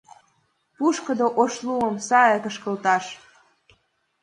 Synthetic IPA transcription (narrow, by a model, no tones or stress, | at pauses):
puʃkə̆d̪oʔoʃluəmsɑjekəʃkə̆lt̪ɑʃ